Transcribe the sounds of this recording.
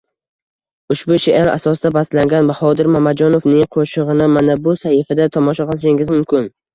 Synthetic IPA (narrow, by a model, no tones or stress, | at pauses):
ʊʃbʊʃeʔaɾa̰sɒsd̪abaslaŋɡʲanbahɒd̪ɪɾmamad͡ʒɒnofnɪŋqʰoʃɨʁɨnɪmanabʊsahɪfad̪at̪ʰɒmɒʃaqɨlˠɪʃɪŋɡɪzmʊmkʲɪn